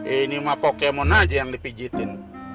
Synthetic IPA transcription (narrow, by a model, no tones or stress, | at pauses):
inimapokemɔnad͡ʒajaŋdipid͡ʒit̪ɪn